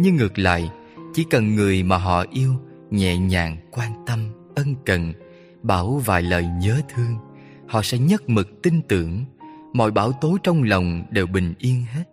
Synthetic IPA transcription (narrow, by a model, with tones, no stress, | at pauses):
ɲɨ˧ŋɨ˨˩k̚la̰ː˧˨j | t͡ɕi˧˩kə˨˩nŋɨ˨˩əjmaː˨˩ɦɔ̰˧˨ʔi˧əw | ɲɛ̰˧˨ɲaː˨˩ŋkwaː˧nt̪ə˧mʔə˧nkə̰˧˨n | ɓaː˧˩wva̰ː˨˩jləː˨˩jɲəː˨˦t̪ʰɨ˧əŋ | hɔ̰˧˨sɛ̰˧˥ɲə˦˥t̚mɨ˨˩k̚t̪ï˧ŋt̪ɨ̰˧˩əŋmɔ̰˧˨jɓaː˧˩wt̪o˨˦jt͡ɕɔ˧wŋ͡mlə˨˩wŋ͡mɗe˨˩wɓï˨˩ŋ̟ʔi˧ənɦe˦˥t̚